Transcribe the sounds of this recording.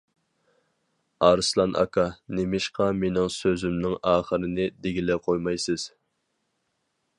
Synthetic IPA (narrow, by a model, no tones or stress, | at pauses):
ɑɾɨslˠɑnʔɑ̰kʰɑnemɪʃqɑmenɪŋsøzymnɪŋɑːχəɾɨnɪd̪eɡʲilɛqʰojmɑjsɨz̥